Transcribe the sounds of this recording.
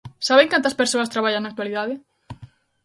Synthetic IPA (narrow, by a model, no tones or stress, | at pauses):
saβeŋkant̪ɐspeɾsoɐst̪ɾaβaʎaŋnak̚t̪waliðaðɪ